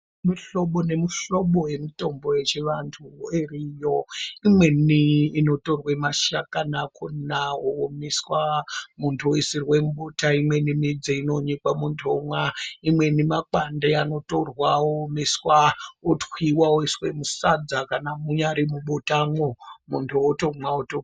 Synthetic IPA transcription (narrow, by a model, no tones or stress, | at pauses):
miɬoɓone̞miɬo̞ɓoje̞mito̞mbo̞je̞t͡ʃeʋantʰuerijoimwe̞niːno̞to̞rwemaʃakanakʰunawoomeswamuntʰuoisirwemuɓotaimwe̞nimid͡zeino̞ɲikwamuntʰuomwaimwe̞nimakandeano̞to̞rwaoomeswaotwiwaoiswe̞musad͡zakanamuɲaɾimuɓotaŋomuntʰuoto̞mwaoto